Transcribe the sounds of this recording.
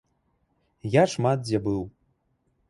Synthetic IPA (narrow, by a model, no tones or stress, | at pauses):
jaʂmat̪̚zʲabɨw